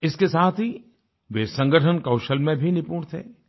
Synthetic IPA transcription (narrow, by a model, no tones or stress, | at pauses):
ɪskesaːt̪ʰi | ʋeːsɐ̃ŋɡəʈʰənkɐʊʃəlmẽbʱinɪpuːɽ̃t̪ʰḛː